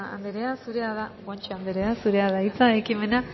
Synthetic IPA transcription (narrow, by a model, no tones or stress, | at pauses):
a̰nd̪eɾeasuɾeaðaɣant͡ʃeand̪eɾeasuɾeaðait͡saekime̞na